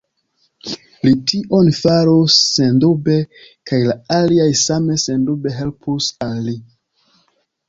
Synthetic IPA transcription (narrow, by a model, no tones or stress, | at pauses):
litiʔonfaɾosːendobe̞ | kajlaaliajsame̞sendube̞ɦe̞lpʰusalːi